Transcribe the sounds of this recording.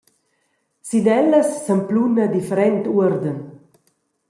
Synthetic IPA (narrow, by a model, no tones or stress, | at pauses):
sid̪ɛlːəsːəmplunəd̪ifəɾɛnt̪uəɾd̪ən